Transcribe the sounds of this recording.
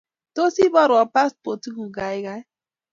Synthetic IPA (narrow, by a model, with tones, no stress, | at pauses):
to˦si˦bɔ˦ɾɔ˨pa˦spo˨tu˦ɡu˨ɡa˨i˦ɡa˦